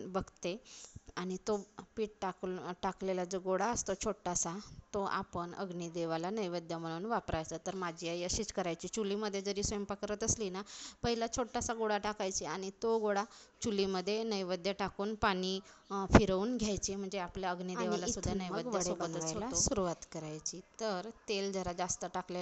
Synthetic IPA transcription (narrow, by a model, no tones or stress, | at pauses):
bəɡt̪eaɽ̃it̪opiːʈ̚ʈakʈaklelad͡zoɡoɽaəst̪ot͡ɕʰoʈːasat̪oʔa̰pəɳə̰ɡnid̪eʋalanəjʋəd̪ʱjam̤əɽ̃uːnʋapɾajt͡sət̪əɾmad͡ʑʱiajəɕiːt͡skəɾajt͡ɕiːt͡ɕuliməd̪ʱːjed͡zəɾiːsʋəmpakəɾət̪əslinapəɦilat͡ɕʰoʈːasaɡoɽaʈakajt͡ɕiaɽ̃it̪oɡoɽa | t͡ɕuliməd̪ʱːjenəjʋəd̪ʱjaʈakuːnpaɽ̃ifiɾəuːnɡʱjajt͡ɕim̤əɳd͡zeapljaəɡnid̪eʋlasud̪ʱːanəjʋəd̪ʱjəsobət̪əasaosuɾuʋat̪kəɾajt͡ɕiːt̪əɾt̪eld͡zəɾad͡zast̪əʈakle